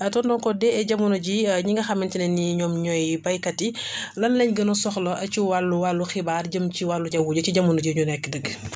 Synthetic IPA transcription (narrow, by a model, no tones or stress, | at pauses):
ɐtɔndɔnkɔdɛɛɟɐmunoɟiɲiŋɡɐxɐmːintinɛnːiɲɔːmɲɔjipɐjkɐtilɐnlɛɲɡənɔsɔxlɐʔɐt͡ʃiwalːuwalːuxibaːrɟəmciwalːuɟɐwuːɟɐciɟɐmːunuɟiɲunɛkːədəɡː